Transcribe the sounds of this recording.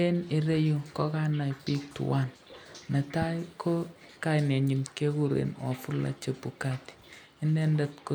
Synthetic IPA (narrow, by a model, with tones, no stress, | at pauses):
e˦ne˨ɾe˦ju˦˨kɔ˦ka˦na˨jpi˦k̚tṵ˨wa˦n | nɐ˨ta˦jkʰo˦ | ka˦ne˨ɲi˨nke˦ku˦ɾḛ˨nwa̰˨fu˦la̰˦t͡ʃe˨pu˨ka˦ti̥˨ | ɪ˦ndɛ˦ndɐ˨tko˦